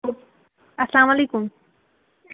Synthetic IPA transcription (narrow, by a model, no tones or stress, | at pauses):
ɐslaːmalejkum